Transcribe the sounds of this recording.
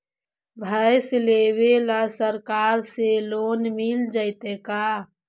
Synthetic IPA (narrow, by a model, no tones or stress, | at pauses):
bʱəjslewelasəɾkaɾselonmild͡ʒəɪt̪eka